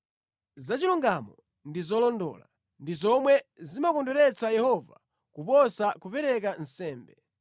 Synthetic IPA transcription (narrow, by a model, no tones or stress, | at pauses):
zat͡ʃiluŋɡamɔ | ndizɔlɔndɔ̰ːla | ndizɔmwɛzimakɔndɔɾɛt͡sajɛhɔva | kupɔsakupɛɾɛk̬an̩sɛːmbɛ